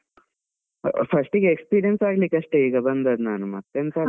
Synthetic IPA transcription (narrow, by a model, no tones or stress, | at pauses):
pʰɐʂʈiɡeekspiːɾijɐnsaːɡliːkɐʂʈeiːɡɐbɐnd̪ɐːd̪naːnumɐt̪ːjɐnt̪ɐ